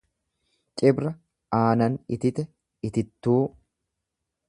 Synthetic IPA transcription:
t͡ʃʼɪbɾɐ | aːnɐnɪt̪ɪt̪ɛ | ɪt̪ɪt̪ːuː

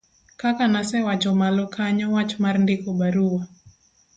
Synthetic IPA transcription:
kakanasɛwat͡ʃɔmalɔkʰaɲawat͡ʃmaɾndɪkɔbaɾua

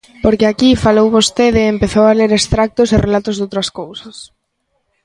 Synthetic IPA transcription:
poɾkɪakifalowβost̪eðɪːmpeθowaleɾest̪ɾak̚t̪ʊsɪrʔelat̪ʊzðowt̪ɾɐskowsɐs

